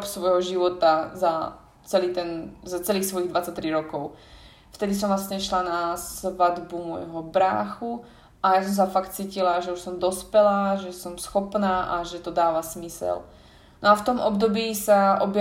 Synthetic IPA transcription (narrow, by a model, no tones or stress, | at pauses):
psʋɔjɦɔʒiʋɔt̪aza | t͡sɛliːt̪ɛnzat͡sɛliːxsʋɔjiɣd̪ʋat͡sac̚ʲt̪ɾiɾɔkɔʊ | ft̪ɛd̪is̬ɔmvlast̪ɲɛʃlanasʋad̪bumɔ̰jɦɔbɾa̰ːxu | ʔajas̬ɔms̬afakt̪t͡siːcilaʒɛuʃsɔmd̪ɔspɛlaːʒɛsɔmsxɔpnaːʔaʒɛt̪ɔd̪aːʋasmisɛ̰l | nɔaft̪ɔmɔbd̪ɔbiːsaʔɔbj